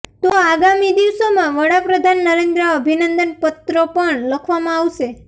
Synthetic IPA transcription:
t̪oaɡamid̪iʋsomãʋəɽapɾəd̪ʱanːəɾẽnd̪ɾəəbʱinənd̪ənpət̪ɾəpəɳləkʰʋamãaʋʃe

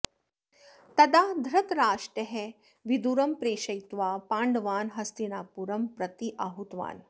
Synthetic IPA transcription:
t̪ɐd̪aːd̪ʱɾɐt̪ɾaːʃʈɐɦe | ʋid̪uɾɐmpɾeːʃɐjt̪ʋaːpaːɳɖɐʋaːnɦɐst̪inaːpuɾɐmpɾɐt̪iʔaɦut̪ʋa̰ːn

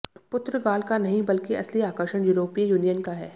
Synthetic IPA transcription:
pʊt̪ɾəɡaːlkanɐɦĩbɐlkeʔɐsliaːkəɾʃəɽ̃juːɾoːpijuːnijənkaɦɛː

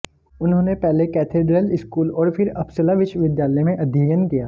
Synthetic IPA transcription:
ʊnɦõːnepɛɦlekɛːt̪ʰeːɖɾəlɪskuːlɔːɾpɪɾɐpsəlaʋɪʃʋɪd̪jaːləjmẽʔɐd̪ʱiːjənkijaː

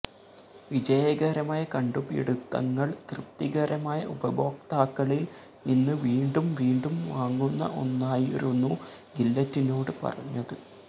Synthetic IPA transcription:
ʋid͡ʑɐjɐɡɐɾɐmaːjɐkɐɳɖubḭɽut̪ːɐ̰ŋːɐɭt̪rɨp̚t̪iɣɐɾɐmaːjɐ̰ʔubɐbo̞ːk̚t̪aːkːɐɭilninːɨʋiːɳɖumʋiːɳɖumʋaːŋɡunːɐ̰ʔo̞̰nːaːjiɾunːuɡilːɐtːino̞ːɽɨpɐ̰rɐɲːɐðɨ

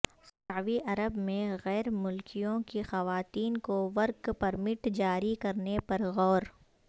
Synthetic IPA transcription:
saʋiʔɐɾəbmẽɣɛːɾmʊlkijõkixɐʋaːt̪iːnkoʋɐɾkpɐɾmɪʈd͡ʒaːɾikɐɾnepɐɾɣɔːɾ

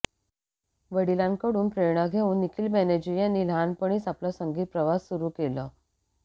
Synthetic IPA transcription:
ʋəɽilãŋkəɽuːnpɾeɾɳaɡʱeuːnːikiːlmæned͡ʑijanːiːlanpəɽ̃iːt͡saplɔsəŋɡiːt̪̚pɾəʋasːuɾuːkelɔ

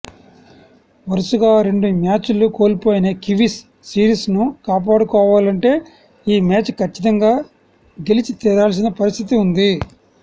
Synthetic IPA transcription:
ʋɐɾusuɡaːɾe̞ɳɖumaːt͡ʃuluko̞ːlipoːjinɐkiʋisː | iːɾiːsnukaːp̬aːɽukɔːʋaːlɐɳʈe̞ː | iːmaːt͡ʃkʰɐt͡ʃːit̪̬ɐŋɡaː | ɡelit͡ʃit̪iːɾaːls̬inɐpɐɾist̪ʰit̪iund̪i

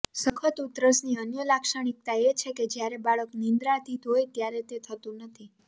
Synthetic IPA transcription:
səkʰət̪ut̪ɾəsniənjəlakʃaɽ̃ik̚t̪aet͡ʃʰeked͡ʒjaɾebaɭəknĩnd̪ɾat̪ʰid̪ʱojt̪jaɾet̪et̪ʰət̪ũnət̪ʰi

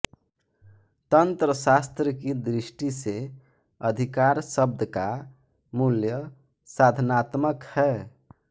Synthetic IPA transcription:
t̪ənt̪ɾəsast̪ɾəkid̪ɾisʈise | əd̪ʱikaɾsəb̚d̪əka | muljə | sad̪ʱnat̪məkhɛ

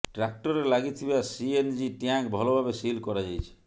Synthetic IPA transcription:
ʈɾak̚ʈɔɾelaɡit̪ʰibasiend͡ʒiʈjãkbʱɔlobʱabesilkɔɾad͡ʒajt͡ʃʰi̥

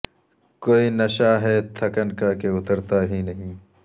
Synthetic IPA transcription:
koːinɐʃaːɦɛːt̪ʰɐkɐnkaːkeʊt̪ɐɾt̪aːɦinɐɦĩː

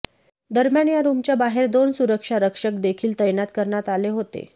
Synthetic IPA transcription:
d̪əɾmjanjaɾumt͡ɕjabaɦeɾd̪onsuɾəkʂaɾəkʂək̚d̪ekʰiːlt̪əjnat̪kəɾɳjat̪aleɦot̪ḛ

